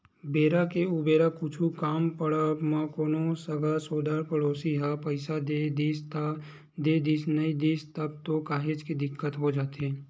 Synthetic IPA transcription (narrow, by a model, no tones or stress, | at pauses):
beːɾakeʊbeːɾakʊt͡ʃʰukaːmpəɽəmãkoːnosɐɡasoːd̪aːɾpɐɽoːsiɦapəɪsad̪ed̪iːst̪ | d̪eːd̪iːsnɐid̪iːst̪ɐb̚t̪okaːɦed͡ʒkid̪ɪkːət̪ɦod͡ʒaːt̪ɦɛː